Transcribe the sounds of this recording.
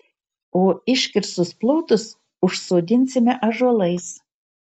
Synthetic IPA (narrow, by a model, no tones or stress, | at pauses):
oːɪʃkʲɪɾsʊsplˠowt̪ʊs | ʊʃsoːd̪ʲɪnʲsʲɪmʲɛʔɐʒoɔlˠɐjs